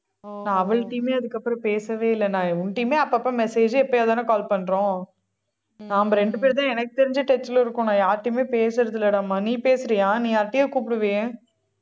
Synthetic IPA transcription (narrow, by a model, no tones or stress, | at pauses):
nãːɐʋɐɭʈːiːmeːɐðɯkːɐpːɯɾɐ̃peːsɐʋeːɪlːɛnãːʊɳʈiːmeːɐpːɐɐpːɾɐ̃mɛseːd͡ʒɯɛpːojɐðaːnakaːlpɐɳːɾõː | nãːɐmbɐɾɛɳɖɯpeːɾt̪ãːɛnɐkːɯt̪ɛɾɪɲd͡ʒɐʈɛt͡ʃːɪlɪɾɯkːʊ̃ːnãːjaːɾʈːɪmeːpeːsɪɾɐðɯlɐɽaːmaːniːpeːsɪɾɪjãːnĩːaːɾʈːɪjeːkuːpɪɽɯʋejẽ